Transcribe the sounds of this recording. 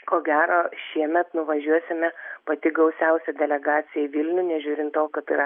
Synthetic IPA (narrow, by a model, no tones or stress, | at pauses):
koːɡʲæːɾoːʃʲiɛmʲɛt̪nʊʋɐʒʲuɔsʲɪmʲɛpɐt̪ʲɪɡɐʊsʲɛʊsʲɛd̪ʲɛlʲɛɡɑːt̪sʲɪjɛɪʋʲɪlʲnʲʊnʲɛʒʲʊːɾʲɪnt̪oːkɐt̪ɪɾɐ